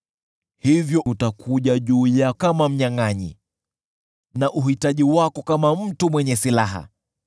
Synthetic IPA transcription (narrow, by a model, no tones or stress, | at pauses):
hivjɔʔutakʰuʄaʄuːjakamam̩ɲaŋaɲḭ | naʔuɦitaʄiwakɔkamam̩tumwɛɲɛsilaɦa̰